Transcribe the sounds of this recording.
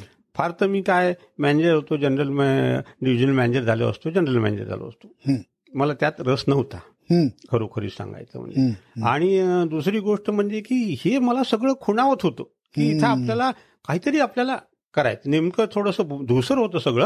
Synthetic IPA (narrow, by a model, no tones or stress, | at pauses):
faɾt̪əmiːkaj | mæned͡ʑəɾɦot̪od͡ʑənɾəlmɖiʋid͡ʑənəlmæned͡ʑəɾd͡zʱalḛə̰st̪od͡ʑənɾəlmæ̰nḛd͡ʑə̰ɾd͡zʱa̰lo̰ə̰st̪o̥ | məlat̪jat̪ɾəsnəʋt̪a | kʰəɾokʰəɾḭːsã̰ŋɡa̰jt͡sə̰m̤ə̰ɳd͡ʑḛa̰ɽ̃id̪usɾiːɡoʂʈəm̤əɳd͡zekiːheməlasəɡɭəːkʰuɽ̃aʋət̪ɦot̪o | kiːt̪ʰaːpljala | kaɦiːt̪əɾiːapljala | kəɾa̰jt͡s̪nemkət̪ʰoɽəsəd̪usəɾɦot̪əsəɡɭə